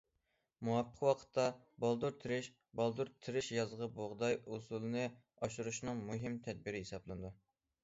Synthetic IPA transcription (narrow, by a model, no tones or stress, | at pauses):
muwɑpʰːə̥qwɑqʰə̥t̪ʰːɑ | bɑlˠd̪uɾt̪ʰɨɾɪʃ | bɑlˠd̪uɾt̪ʰɪɾɪʃjɑzʁɑboʁd̪ɑjusulˠɨnɨ | ɑʃuɾuʃnɨŋmuɦɪmt̪ʰɛd̪̚biɾɪɦesɑblˠɨnɨd̪u